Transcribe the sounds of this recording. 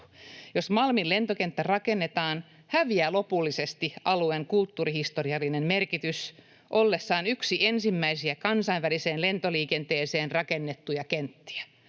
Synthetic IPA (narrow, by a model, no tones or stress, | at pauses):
josmɑlmillent̪okent̪ːærɑkenːet̪ɑːn | hæʋiæːlopulːisest̪iʔɑlueŋkult̪ːuːrihist̪oriɑlːinemmerkit̪ys | ʔolːesːɑːnyksiensimːæisiækɑnsɑiʋʋæliseːnlent̪oliːkent̪eːseːnrɑkenːet̪ːujɑkent̪ːi̥æ̥